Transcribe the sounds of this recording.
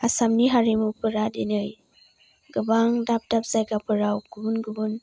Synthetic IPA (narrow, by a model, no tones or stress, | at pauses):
asamniɦaɾimupʰɯɾadinɯj | ɡɯbaŋdap̚dap̚zajɡapʰɯɾawɡubunɡubun